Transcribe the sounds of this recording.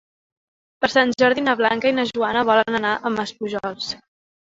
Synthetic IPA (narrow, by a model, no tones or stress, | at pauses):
pəɾsanʲd͡ʒɔɾðinəβlaŋkəinəʒuanəβ̞ɔlənənaʔəməspuʒɔlˠs